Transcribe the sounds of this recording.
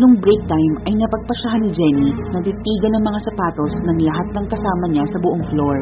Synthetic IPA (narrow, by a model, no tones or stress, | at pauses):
nʊŋbɾɛk̚t̪ajmɐjnɐpɐɡ̚pɐʃaɦanːɪd͡ʒɛninɐp̪ɪt̪iːɡɐnɐŋmɐŋasɐpaːt̪osnɐŋlɐɦat̪̚nɐŋkɐsaːmɐɲasɐbʊʔoŋfloɹ